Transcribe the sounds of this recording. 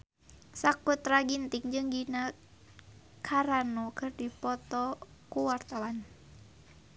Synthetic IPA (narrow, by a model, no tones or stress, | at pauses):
sakut̪raɡint̪iŋd͡ʒɨŋɡina | kʰaɾanɔkɨrdipɔt̪ɔkuwart̪awan